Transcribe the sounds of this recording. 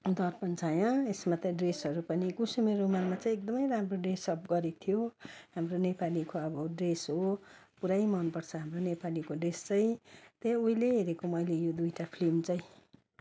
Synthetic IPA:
d̪ʌrpʌnt͡sʰajʌ̃esmat̪ʌ̃ɖresɦʌɾupʌnikusimeɾomanmat͡sʌj̃ek̚d̪ʌmʌjramroɖresʌp̚ɡʌɾet̪ʰijoɦamronepalikoʌbʌɖresɦopuɾajmʌnpʌrt͡sʰʌɦamronepalikoɖrest͡sʌj̃t̪ejuileɦeɾekomʌjlejod̪ujʈapʰlimt͡sʌj̃

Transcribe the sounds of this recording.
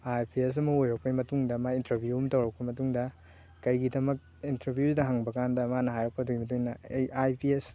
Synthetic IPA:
ajpʰies̬ɐmɐojɾɐk̚pɐimɐtuŋdɐmaintɐbʱijumtɐwɾɐk̚pɐmɐtuŋdɐ | kɐjɡidɐmɐk̚ | intɐbʱijuzdɐɦaŋbɐkandɐmanɐɦajɾɐk̚pɐdoɡimɐtuŋnɐejajpies

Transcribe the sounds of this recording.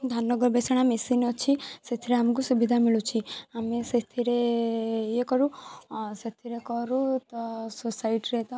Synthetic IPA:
d̪ʱanːɔɡɔɾbesɔɽ̃amesinɔt͡ʃʰiset̪ʰiɾeamɔk̬usubid̪ʱamiɭut͡ʃʰiameset̪ʰiɾe | jekɔɾuset̪ʰiɾekɔɾut̪ɔsusaiʈɾet̪ɔ

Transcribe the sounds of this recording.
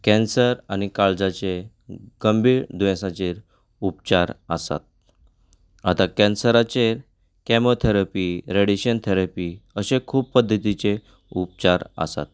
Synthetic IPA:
kɛ̃nsəɾañikaɭd͡zat͡ɕe | ɡ̥əmbiːɾd̪ʋɛ̃sat͡ɕeɾ | upt͡ɕaɾə̰sa̰t̪̚ | at̪akɛ̃nsəɾat͡ɕeɾ | kɛmot̪ʰeɾapiɾeɽiɕənt̪ʰeɾapiəɕekʰuːppəd̪ʱːət̪it͡se | up̚t͡ɕaɾə̰sa̰t̪̚

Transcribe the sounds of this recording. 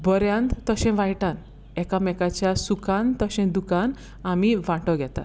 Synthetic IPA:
bəɾjãnt̪t̪əɕɛ̃ʋãjʈan | ɛkamɛkat͡ɕjasukãnt̪əɕɛ̃d̪ukan | amiʋãʈəɡʱɛt̪a̰

